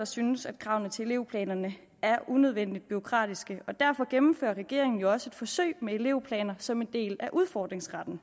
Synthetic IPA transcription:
ɑ̈synəsæd̥̚kʰʁɑ̈ʊnð̩ˠt͡sʰe̝e̝le̝ʊ̰pʰlɛ̰ːnɐnə | æɐʔunøð̞ˠʋen̰d̥id̥̚b̥yʁo̝kʰʁɑ̰̈ːd̥isɡ̥əɒ̽d̥æɐfɒ̽ɡ̥emm̩fø̰ːɐʁɛɡ̥e̝̰ɐeŋn̩jo̝ɒ̽səe̝d̥fɒ̽sø̰ɪ̰mee̝le̝̰ʊpʰlɛ̰ːnɐsɒ̽mend̥e̝̰ːlæʔuð̞ˠfɒ̰ːd̥ʁeŋsʁɑ̈d̥n̩

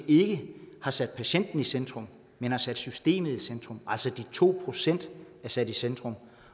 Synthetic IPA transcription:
e̝ɡ̥əhɑ̈sæd̥pʰæɕen̰d̥n̩isend̥ʁɔ̽m | menhɑ̈sæd̥sysd̥e̝̰ːmð̩ˠisend̥ʁɔ̽mʔæl̰sɒd̥it͡sʰo̝̰ːpʰʁo̝sen̰d̥ | æɐsæd̥isend̥ʁɔm

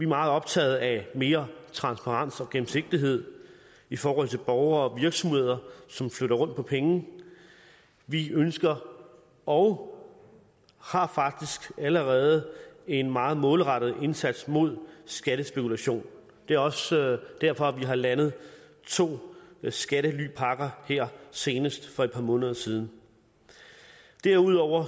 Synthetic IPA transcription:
ʋimɑ̈ːð̩ˠɒ̽b̥̚t͡sʰɛ̰ːðˠæme̝ːɐt͡sʰʁɑ̈nsb̥ʰɑ̈ʁɑ̈n̰sɒ̽ɡ̥em̩se̝ɡ̥̚d̥iɦe̝ð̰ˠ | ifɒːhɒ̽l̰t͡sʰeb̥ɒʊɐɒʋiɐɡ̥sɒ̽mhe̝ð̞̰ˠɐsɒ̽mfløɾɐʁɔ̽n̰d̥̚pʰɒ̽pʰeŋn̩ | ʋiønsɡ̥ɐ | ɒʊ | hɑ̈fɑ̈ɡ̥̚d̥isɡ̥æləʁɛːð̞̩ˠəe̝nmɑ̈ːð̞̩ˠmɔ̽ːlʁɑ̈ɾ̥əð̩ˠe̝nsæd̥smo̝ð̞̰ˠsɡ̥æɾ̥əsb̥e̝kʰulæɕo̝̰ːn | d̥e̝æɐɒ̽sd̥æɐfɒ̽ʋiɦɑ̈lænð̞̩ˠ | t͡sʰo̝̰ːsɡ̥æɾəly̰pʰɑ̈ɡ̥ɐheɐ̰se̝ːnəsd̥fɒ̽ed̥̚pʰɑ̈mɔ̽ːnəð̞ˠɐsiːð̞ˠn̩ | d̥æɐuð̞̰ˠɒʊ̰ɐ

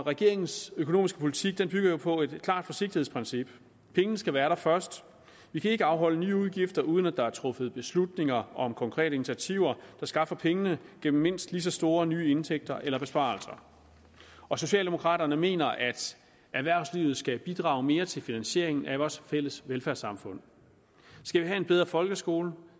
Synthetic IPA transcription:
ʁɛɡ̥e̝ɐe̝ŋn̩søkʰo̝no̝̰ːmisɡ̥ə̥pʰo̝lit͡sʰiɡ̥̚d̥enb̥yɡ̥ɐjo̝pʰɒ̽e̝d̥kʰlɑ̰̈ːd̥fɒ̽se̝ɡ̥̚d̥ihe̝spʰʁɛnsib̥ | pʰeŋənəsɡ̥æʋæːɐɾ̥ɑfɶɐsd̥ | ʋikʰæe̝ɡ̥əɑ̈ʊɦɒ̽l̰ənyːuð̞ˠɡ̥ifd̥ɐʔuːð̞ˠnæd̥ɑ̈æɐt͡sʰʁɔ̽fð̞̩ˠb̥e̝slud̥ne̝ŋɐɒ̽mkʰɒ̽ŋkʰʁɛ̰ːɾəinit͡sʰiæt͡sʰiʊɐd̥ɑ̈sɡ̥ɑ̈fɐpʰeŋənəɡ̥em̰m̩ːe̝n̰sd̥lis̬ɒ̽sd̥o̝ːɐnyːe̝nt͡sʰeɡ̥̚d̥ɐʔelɐb̥e̝sb̥ɑ̰̈ːlsɐ | ɒ̽so̝ɕɛ̰ːldemo̝kʰʁɑ̰̈ːɾ̥ɐnəme̝̰ːnɐʔæd̥ | æɐʋæɐʊsliːʊð̩ˠsɡ̥æb̥id̥ʁɑ̈ːʊme̝ːɐt͡sʰe̝lfinænɕe̝̰ɐe̝ŋn̩ʔæʋɒːsfel̰əsʋelfæɐsɑ̈mfɔ̽n̰ | sɡ̥æʋiɦæe̝nbeð̞ˠʁɐfɒ̽lɡ̥əsɡ̥o̝ːlə

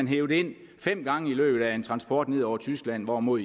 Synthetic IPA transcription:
ænɦeːʊd̥əe̝n̰ | fem̰ɡ̥ɑ̈ŋəilø̰ːb̥ð̩ˠæe̝nt͡sʰʁɑ̈nsb̥ɒːd̥ne̝ð̰ˠɒʊ̰ɐt͡sʰysɡ̥læn̰ʋɒmo̝ð̰ˠ

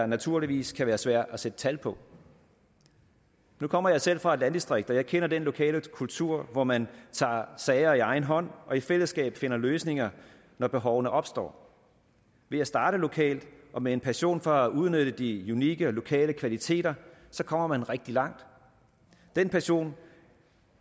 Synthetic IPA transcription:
ɑnæt͡sʰuɐ̰liʋḭːskʰæʋæːɐsʋæɐ̰d̥æsed̥ət͡sʰælpʰɒ̽ | nukʰɒ̽m̰ɐjɑ̈ɪsel̰fʁɑ̈e̝d̥lænd̥isd̥ʁeɡ̥d̥ɒ̽jɑ̈ɪkʰenɐd̥enlo̝kʰɛ̰ːləkʰult͡sʰuɐ̰ʋɒmænt͡sʰɑ̰̈ːsɛɪɐiɑ̈ɪn̩ɦɒ̽n̰ʔɒ̽ifel̰əsɡ̥ɛ̰ːb̥fe̝nɐløːsne̝ŋɐ | nɒb̥e̝ɦɒʊnəʔɒ̽b̥sd̥ɒ̰ː | ʋe̝æsd̥ɑ̈ːɾ̥əlo̝kʰɛ̰ːld̥ʔɒ̽mee̝npʰæɐɕo̝̰ːnfɒ̽æʔuð̞ˠnød̥əd̥iuniɡ̥əlo̝kʰɛ̰ːləkʰʋælit͡sʰe̝̰ːd̥ɐsɒ̽kʰɒ̽m̰ɐmænʁeɡ̥̚d̥ilɑ̈ŋ̰d̥ | d̥enpʰæɐɕo̝̰ːn

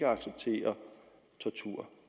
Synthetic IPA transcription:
ɡəɑ̈ɡ̥seb̥̚t͡sʰe̝̰ːɐ | t͡sʰɒt͡sʰuɐ̰

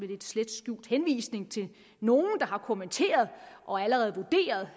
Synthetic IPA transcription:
ʋe̥e̝d̥sled̥sɡ̥jṵːd̥henʋḭːsne̝ŋt͡sʰe̝ | no̝ːn̩d̥ɑ̈hɑ̈kʰo̝ment͡sʰe̝̰ːɐð̞ˠʔɒ̽æləʁɛːð̞̩ˠʋud̥e̝̰ːɐð̞ˠ

